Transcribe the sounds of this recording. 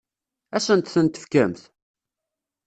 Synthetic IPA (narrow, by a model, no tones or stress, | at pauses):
æsənt̪θənt̪ə̥fkæmθ